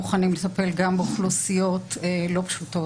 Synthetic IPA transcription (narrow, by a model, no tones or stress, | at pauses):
uχanimlet̪ape̞lɡambeuχlusijo̞telo̞pḁʃuto̞